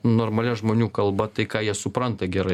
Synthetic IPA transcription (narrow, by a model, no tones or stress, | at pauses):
noːɾmɐlʲɛʒmoːnʲuːkɐlˠbɐt̪ɐɪkɑːjiɛsʊpɾɐnt̪ɐɡʲɛɾɐɪ